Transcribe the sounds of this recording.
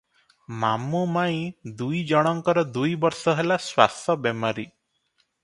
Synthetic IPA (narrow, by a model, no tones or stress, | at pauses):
mamumaĩd̪ujd͡ʒɔɽ̃ɔŋkɔɾɔd̪ujbɔɾsɔɦelaswa̰st̪ʰɔbjemaɾi